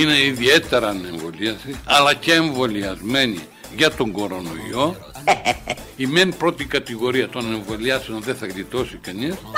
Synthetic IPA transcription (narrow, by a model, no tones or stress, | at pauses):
ine̞iðie̞t̪e̞ɾɐne̞ɱvo̞liɐsiɐlɐceːɱvo̞liɐzme̞nḭ | ʝɐt̪o̞ŋɡo̞ɾo̞no̞̰ḭo̞ | imenipɾo̞t̪ikɐt̪iɣo̞ɾiɐt̪o̞ne̞ɱvo̞liɐseonðeθɐɣlit̪o̞sikɐnis